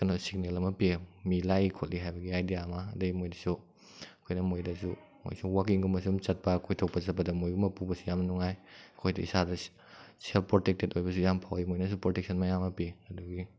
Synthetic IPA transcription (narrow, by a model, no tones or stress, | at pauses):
kɐnosiɡnelɐmɐpiemilajikʰot̚liɦajbɐɡiajdijamɐ̰ːdɐɡimojdɐsu | ɐkʰojnɐmojdɐsu | mo̰jsuwakiŋɡumɐsumt͡ʃɐt̚pɐkʰojtʰowk̚pɐt͡ʃɐt̚pɐdɐmojɡumɐpubɐsujamnuŋajɐkʰojdɐḭsadɐ | selppːɾotek̚tetojbɐsujampʰawimojnɐs̬upɾotek̚sʰɐnmɐjamɐpiɐduɡi